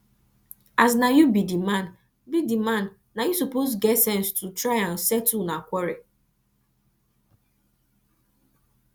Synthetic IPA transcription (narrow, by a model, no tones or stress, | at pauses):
aznajubidimãn | bidimãn | najusupozɡɛtsɛ̃nstʰutɹaɪãnsɛtunakʷɔɹe